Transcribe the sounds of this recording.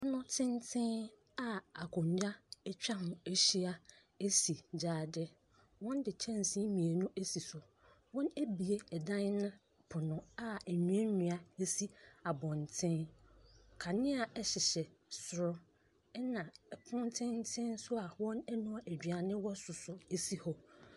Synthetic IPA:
ɔ˦nʊ̃˦tʰɪ̃˦ntʰɪ̃˦n | a˦a˨kʰʊ̃˨ɲd͡ʑa˦ɛ˦t͡ɕᶣa˦hʊ̃˨e˦ɕi˦a˦ | e˦si˨d͡ʑaː˨dɛ˦ | wɔ̃˦n˦dɪ˨t͡ɕʰɛ̃˦n˨sĩ˦mĩ˨e˨nʊ̃˦ʔe˦si˨sʊ˨ | wɔ̃˦ne˦bi˨e˦ɛ˨dã˦n˦nã˦ | pʰʊ˨nʊ̃˦a˦ɛ˨ɲũ˨ɛ̃˦ɲũ˨a˨e˦si˦a˨bɔ̃˨ntʰɪ̃˦n | kʰa˨nɪ̃˦a˨ɛ˦ɕɪ˨ɕɛ˨sʊ˨ɾʊ˦ | ɛ˦nã˨pʰʊ̃˦n˦tʰɪ̃˦n˦tʰɪ̃˦nsʊ˦a˨wɔ̃˦nɛ˦nʊ̃˦a˨ʔæ˨d͡ʑᶣɥa˨nɪ̃˦wɔ˦sʊ˨sʊ˨e˦si˦hɔ˦

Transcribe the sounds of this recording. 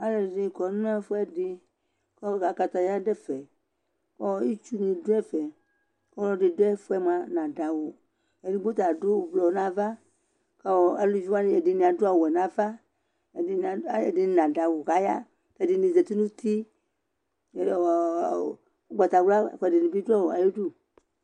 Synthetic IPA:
a˦lɛ˨zĩ˨kɔ˨˦nũ˦ɛ˦fo˦ɛ˦dɪ˧ | kɔ˦˨ɡa˨ka˧t̪a˨ja˦ɖɛ˦fɛ˨ | kɔ˦i˦t͡ʃu˦nĩ˨du˦ɛ˦fɛ˨ | kɔ˦lɔ˦ɖi˨do˦ɛ˦fɛ˦mã˨nã˨da˨wo˨ | ɛ˨di˨˦ɡ͡bo˦t̪a˨dʊ˦˨blɔ˨˦nã˨va˦ | kɔ˦˨a˨˦u˦d͡ʒu˦a˦nɪ˦ɛ˨dɪ˨nĩ˨a˨dʊ˦a˦˨wɛ˨nã˨va˦˨ | ɛ˨dɪ˨nã˨da˨wʊ˨ɣa˨˦ja̰˦ | tɛ˨dɪ˨ni˨zɛ˨t̪i˦nũ˦t̪i˦˨˦ | ɡ͡ba˨t̪a˨wla˦˨kɛ˨dɪ˨ni˨bi˦dʊ˦a˦wa˨ji˦du˦

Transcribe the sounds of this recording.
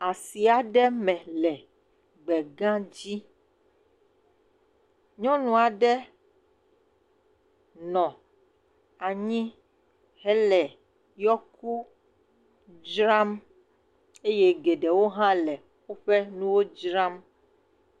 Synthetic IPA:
a˨si˨a˨ɖɛ˦mɛ̃˨lɛ˨ | ɡ͡bɛ˨ɡã˦d͡ʑi˦ | ɲɔ̃˦nũ˨a˨ɖɛ˦ | nɔ̃˨ | a˨ɲĩ˦ | ɦɛ˦lɛ˨ | jɔ˦ku˦ | d͡ʒɾa˦m | e˦je˦ɡe˨ɖɛ˨wo˦ɦã˦lɛ˨ | xo˦ɸɛ˦nũ˦wo˦d͡ʒɾa˦m

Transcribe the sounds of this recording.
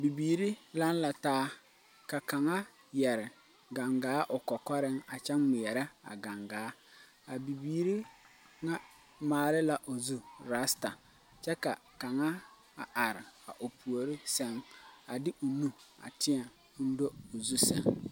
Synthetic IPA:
bi˨biː˨ɾi˦la˦n˦la˨taː˦ | ka˨ka˨ŋa˦ | jɛ˨ɾɪ˨ | ɡa˨ŋɡaː˨˦ʔʊ˨kɔ˨kɔ˦ɾɪ˦ŋa˨t͡ʃɛ˦ŋmɪ˨ɛ˨ɾa˦a̰˨ɡa˨ŋɡaː˨˦ | a˨bi˨biː˨ɾi˦ | ŋa˦ | maː˨lɪ˦la˨ʔo˨zu˦ɾa˦sta˨ | t͡ʃɛ˦ka˨ | ka˨ŋa˦ | a˨ʔa˨ɾɪ˨a˨ʔo˨pu˨o˨ɾɪ˦sɛ˨ŋa˨dɪ˦ʔʊ˨nu˦a̰˨tɪ˦a˨˦ | n̩˦do˦o˨zu˦sɛ̰˨ŋ

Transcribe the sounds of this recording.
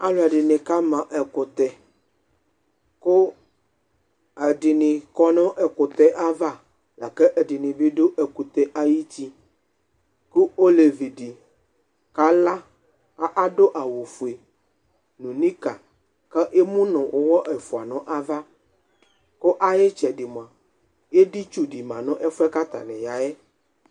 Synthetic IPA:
a˦lo˦˨a˨ɖi˨nẽ˨ka˦mã˨ʔɛ˨ko˨t̪ɛ˨ | ko˦ | ɛ˨ɖi˨nɪ̃˨kɔ˦nɔ̃˦ʔɛ˨ko˨t̪ɛ˦ʔa˦va˦ | la˨kɛ˦ʔɛ˨ɖi˨nĩ˨bi˦ɖo˦ʔɛ˨ku˨t̪ɛ˦ʔa˦ji˦t͡ɕi˦ | ku˦o˦le˨vi˨ɖi˨ | ka˦la˦ | a˦ʔa˦ɖo˦ʔa˨wo˨fu˨e˨ | nũ˨nĩ˦ka˨ | kɛ˦ʔe˦mũ˦nɔ̃˨wʔo˦wɔ˦ʔɛ˨fu˨a˨nɔ̃˦ʔa˦va˦ | ko˦ʔa˦je˦t͡ʃɛ˨ɖi˨m˨ã˨ | je˦di˦t͡ʃu˦ɖi˨mã˨nɔ̃˦ʔɛ˦fu˦ɛ˦ka˦t̪a̰˨nɛ̃˨ja˨jɛ˦

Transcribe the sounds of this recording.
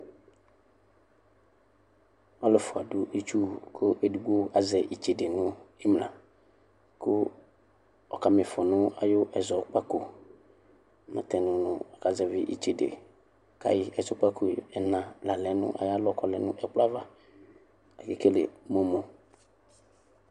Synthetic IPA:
ɔ˦lʊ˨fʊ˨a˨dʊ˦ʔi˦t͡ʃu˦kʰʊ˦ʔe˨du˨ɡ͡bo˦a˨zɛ˨ʔi˨t͡ʃe˨de˨nʊ̃˦ɪ˦mlã̰˨ | ko˦ | ɔ˨ka˨mɪ̃˨fɔ˨nʊ̃˦a̰˨jʊ˦ʔɛ˨zɔ˨k͡pa˦ko˨ | mã̰˨t̪ɛ˨nʊ̃˨nʊ̃˨ɔ˨ka˨zɛ˨vɪ˦ʔi˨t͡ʃe˨dḛ˨ | ka̰˨jɪ˦ɛ˨zɔ˨˦k͡pa˦ko˨ɛ˨nã˨la˨lɛ˨˦nʊ̰̃˦ʔa̰˨ja˦lɔ˦˨kɔ˨lɛ˨nʊ̃˦ʔɛ˨k͡pla˦va˦ | ɛ˨ke˨ke˦lḛ˨mo˨mo˨

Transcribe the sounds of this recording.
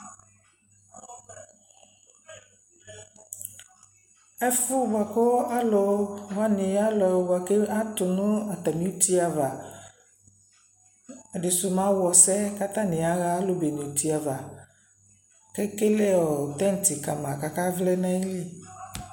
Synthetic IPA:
ɛ˦fʊ˦ba˨ko˦a˦lɔ˨˦va˦nĩ˨˦a˦lɔ˨wo˨ba˨ke˦a˦t̪ʊ˨nũ˦a˨t̪a˨mĩ˦u˦t̪i˦a˨va˨ | ɖe˨sʊ˨mã˨˦wɔ˨sɛ˦ka˦t̪ã˦nẽ˨a˦ɣa˦lo˦be˨nĩ˨t̪i˦a˨va˨ | kɛ˦ke˦lɛ˦ɔ˨t̪ɛ˦n˨t̪i˨ka˨mã˨ka˨ka˦vlɛ˦nã˦i˦li˦

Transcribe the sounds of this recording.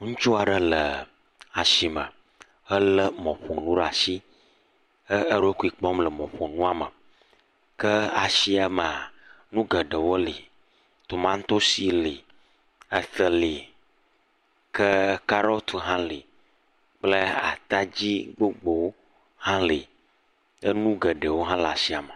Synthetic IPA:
ŋũ˦t͡ʃu˦a˨ɖə˦lə˨ | a˨ʃi˨mə̰˨ | ə˦lə˦mɔ̃˨ɸo˨nũ˦ɖa˨si˦ | ə˦ə˦ɾo˦ku˦i˨k͡pɔ˦mlə˨mɔ̃˨ɸo˨nũ˦a˨mə˨ | kə˦a˨ʃi˦a˦mə˨a˨ | nũ˦ɡə˨ɖə˨wo˦li˨ | t̪o˨mã˦ŋ˦t̪o˦si˨li˨ | a˨θə˨li˨ | kə˦ka˦ɾɔ˦t̪ʰu˨ɦã˦li˨ | k͡plə˦a̰˨t̪a˦d͡ʑi˦ɡ͡bo˦ɡ͡bo˨wo˦ | hã˦li˨ | ə˦nũ˦ɡə˨ɖə˨wo˦ɦã˦la˨si˦a˨mə˨

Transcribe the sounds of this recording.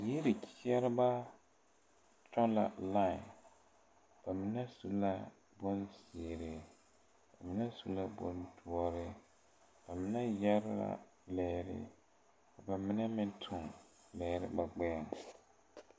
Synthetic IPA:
ji˦ɾɪ˨kʰi˦ɛ˦ɾɪ˦ba˦ | t͡ʃɔ˦la̰˨la˦˨ɪ˨ | b̥a˨mɪ˦nɛ˦su˦la˦ | bɔ˦nsɪ˨ɾɪ˨ | ba˨mɪ˦nɛ˦su˦la˦bɔ̰˦ntu˨ɔ˦ɾɪ˦ | b̥a˨mɪ˦nɛ˦jɛ˦ɾɪ˦ɾa̰˦ | lɛː˨ɾɪ̰˦ | ka˨ba˨mɪ˦nɛ˦mɪ˦ntʰʊ˨ŋ | lɛː˨ɾɪ̰˦ba˨ɡ͡bɛ˦a˨ŋ

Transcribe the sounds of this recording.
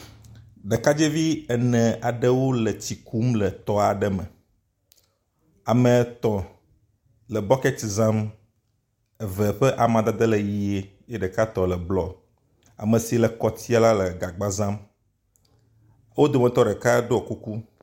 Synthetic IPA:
ɖɛ˨ka˦d͡ʒe˦vi˦ɛ˨nɛ̃˨a˨ɖə˦wo˦lɛ˨t͡ɕi˨ku˦mlɛ˨t̪ɔ˦a˨ɖɛ˦mɛ̃˨ | a˨mɛ˨t̪ɔ̃˨ | lɛ˨bɔ˦kɛ˦ti˨zã˦m | ɛ˨vɛ˨ɸɛ˦ʔa˨mã˨d̪a˨d̪ɛ˦lɛ˨ji˦e˦je˦ɖɛ˨ka˦t̪ɔ˨lɛ˨blɔ˨ | a̰˨mə̃˨si˨˦lɛ˨kɔ˨t̪ʰi˦a˦la˦lɛ˨ɡa˨ɡ͡ba˦zã˦m | wo˦d̪o˨mɛ̃˨t̪ɔ˦ɖɛ˨ka˦ɖo˦ɔ˨ku˦ku˦

